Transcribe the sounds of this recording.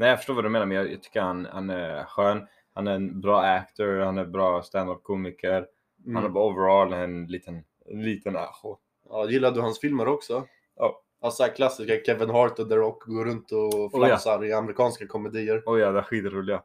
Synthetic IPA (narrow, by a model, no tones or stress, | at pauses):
nɛjɑfœ̥ʂʈoːvad̪ɵmeːnaɾmɛnjɑjɑ̰t̪ʰʏ̥kːəɾhanha̰næɾɧøːn | hanæɾɛnbɾɑːækt̪ɔɾhanæɾbɾɑːst̪and̪ɔp̚kʰuːmɪkʰəɾ | hanæɾbɑːovəɾoːlmɛɛnliːt̪ən | liːt̪əna̰xʊ | ɑːjɪlːaɖ̪ɵhansfɪlməɾɔksɔ | alshæːɾkʰlasːɪskakʰɛvɪnɦɑːɾt̪ənd̪əɾɔkːɡoːɾɵnt̪ɔflasaɾɪamɛɾɪkʰɑːnskakʰɔmɛd̪iːəɾɔjɑːd̪ɛæɾɧiːt̪ɾuːlɪɡa